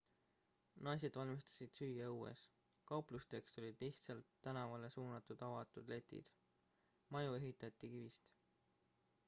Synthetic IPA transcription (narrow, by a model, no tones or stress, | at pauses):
nɑjs̬e̞d̪vɑlʲmist̪ɑ̥sʲid̪̥syjjɑuːe̞̰s | kɑuplust̪e̞kst̪o̞lʲid̪̥liht̪sɑlt̪ːænɑvɑle̞suːnɑt̪ːˑud̪̥ɑvɑt̪ˑud̪̥le̞t̪ːˑḭd̪̥ | mɑjue̞ɦit̪ːˑɑt̪ʲːˑikivist̪